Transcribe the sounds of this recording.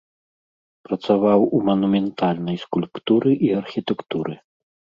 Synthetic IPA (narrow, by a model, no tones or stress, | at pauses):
pɾɐt̪savawumɐnumʲɛnt̪alʲnɐjskulʲpt̪uɾɨʔiɐrxʲit̪ɛkt̪uɾɨ̰